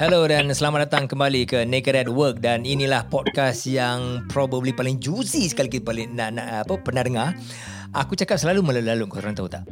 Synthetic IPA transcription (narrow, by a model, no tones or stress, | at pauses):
hɛlodansəlamaʔ̚dat̪aŋkəmbalikənekəɾɛt̚wək̚daninĩlahpɔd̚kasjaŋpɾɔbəblipalɪŋd͡ʒusisəkalikit̪palɪnaʔnaapəpənadəŋar | akut͡ʃakap̚səlalumə̃laulalʊʔkuɔt̪uɾant̪aut̪aʔ